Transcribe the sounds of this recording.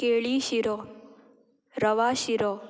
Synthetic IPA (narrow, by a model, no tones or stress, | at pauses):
keːɭiːʃiɾo | ɾəʋaːʃiɾo